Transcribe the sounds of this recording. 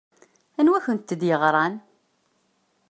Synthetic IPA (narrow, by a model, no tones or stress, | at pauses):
ænwæçənt̪ːəd̪jəʁɾˤɑn